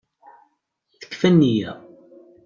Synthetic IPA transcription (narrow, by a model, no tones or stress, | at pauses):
θə̥kːfænːijæ